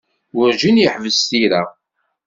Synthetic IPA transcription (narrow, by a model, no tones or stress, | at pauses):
wʊɾʒinjəħvəzθiɾa